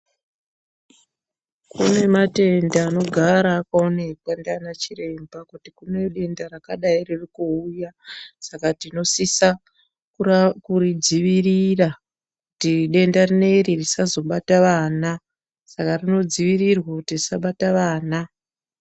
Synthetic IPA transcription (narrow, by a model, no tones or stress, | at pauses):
kune̞mate̞ndaːno̞ɡʱaɾaːkaone̞kwandanat͡ʃire̞mbakutikune̞ɗe̞ndaɾakaɗairirikuujasakatino̞sisa | kukurid͡ziʋirira | kutiɗe̞ndarine̞iririsazo̞ɓataʋaːna | sakarino̞d͡ziʋirirwakutirisaɓataʋaːna